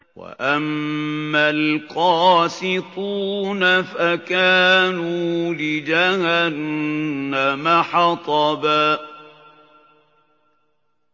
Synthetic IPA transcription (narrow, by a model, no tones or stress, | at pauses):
wa̰ʔamːalqɑːsɪt̪ˤunafakaːnuːlɪd͡ʒahanː | amaħɑt̪ˤɑbaː